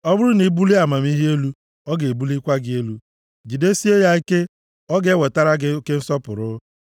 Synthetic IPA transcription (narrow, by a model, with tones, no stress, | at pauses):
ɔ˦bʊ˦ɾʊ˦ni˨˦bu˦li˦a˨ma˨m˦i˦ɦe˦lu˦ | ɔ˦ɡe˨e˨bu˦li˦kʷa˦ɡɪ˦e˦lu˦ | d͡ʒi˨de˦si˦e˦ja˦i˦ke˦ | ɔ˦ɡe˨˦we˨ta˦ɾa˦ɡɪ˦o˦ke˦n̩˦sɔ˦pʊ˨ɾʊ˦